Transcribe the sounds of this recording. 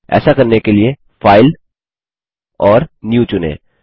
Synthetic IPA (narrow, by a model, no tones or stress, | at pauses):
ɛ̰ːsakɐɾnekelie | faːɪl | ɔːɾnjuːt͡ʃʊnḛ̃ː